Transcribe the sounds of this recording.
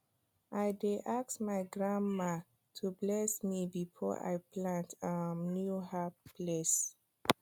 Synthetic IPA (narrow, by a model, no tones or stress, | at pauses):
aɪdeʔaksmaɪɡɹãnma | tʰublɛsmibifɔ̰ʔa̰ɪpʰlãntamnjuhapʰles